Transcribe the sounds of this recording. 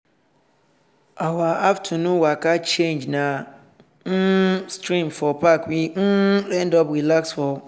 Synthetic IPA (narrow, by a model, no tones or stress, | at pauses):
awaaftʰunũwakat͡ʃend͡ʒna | n̩stɾĩmfɔpakwin̩lɛ̃ndɔpɾilaksfɔ